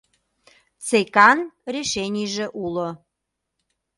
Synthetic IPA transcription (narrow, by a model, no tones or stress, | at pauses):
t͡sekɑnrʲeʃenʲijʒeʔulo